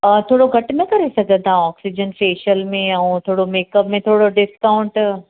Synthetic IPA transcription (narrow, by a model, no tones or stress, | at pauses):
t̪ʰoːɽoɡʱɐʈmẽkɐɾesɐɡʱə̃t̪aɦɔːksid͡ʑənfeːʃəlmẽɐũt̪ʰoːɽomeːkəpmẽt̪ʰoːɽoɖɪskaːʊ̃ɳʈ